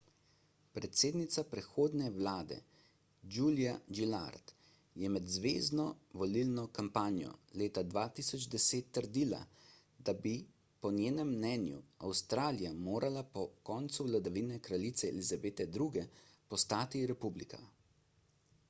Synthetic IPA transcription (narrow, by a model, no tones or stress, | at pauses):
pɾɛt̪seːd̪nit̪sapɾɛxoːd̪nɛwlaːd̪ɛ̰ | d͡ʒuːlijaɡila̰ɾt̪ | jɛmɛd̪zʋḛːznɔʋɔlilnɔkampaːnjɔ̰leːt̪ad̪ʋat̪isɔd͡ʒd̪ɛseːt̪ːəɾd̪ila̰ | d̪abi | pɔnjeːnɛmːnɛnjṵawst̪ɾaːlijamoːɾʔalapɔkɔːnt̪suwlad̪aʋinɛkɾalit̪sɛɛ̰lizabeːt̪ɛd̪ɾuɡɛpɔst̪aːt̪iɾɛpublika̰